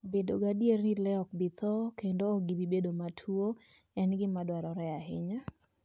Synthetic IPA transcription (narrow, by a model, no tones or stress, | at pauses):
bedoɡadjernilɛɔk̚bɪt̪ɔkendoːɡibibedomatʰuo | ɛnɡɪmadwaɾɔɾɛaɦɪ̰ɲa